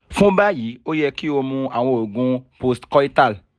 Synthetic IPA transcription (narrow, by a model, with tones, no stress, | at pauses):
fũ˦ba˦ji˨˦o˦jɛ˧ki˦o˧mũ˧a˨w̃ɔ̃˧o˨ɡũ˧po˦stkɔ˦i˦ta˦˨l